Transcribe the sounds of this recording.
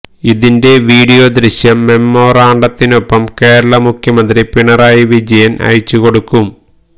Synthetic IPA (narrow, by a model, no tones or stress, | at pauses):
iðinde̞ʋiːɽijo̞ːd̪ɾiɕjɐmːe̞mːoːɾaːɳɖɐt̪ːinopːɐmke̞ːɾɐɭɐmukʰjɐmɐnd̪ripiɳɐɾaːjiʋid͡ʑɐjɐnʔɐ̰jt͡ɕːuko̞ɽukːum